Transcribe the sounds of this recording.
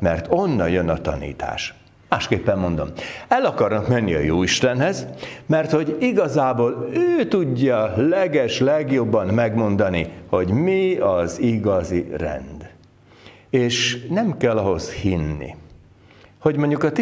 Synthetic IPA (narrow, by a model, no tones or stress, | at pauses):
mɛrt̪o̞nːɒjønɒt̪ɒ̰nḭːt̪a̰ːʃ | maːʃkeːpːɛmːo̞nd̪o̞̰mɛlɒkɒrnɒkmɛnːiɒ̰joːiʃt̪ɛnɦɛzmɛrt̪ho̞ɟiɡɒzaːboːløːt̪uɟːɒlɛɡɛʃlɛɡjo̞bːɒmmɛɡmo̞nd̪ɒniho̞ɟmiɒziɡɒzirɛ̰nd̪ | eːʃnɛmkɛlːɒɦo̞shinːḭ | ho̞ɟmoɲɟukɒt̪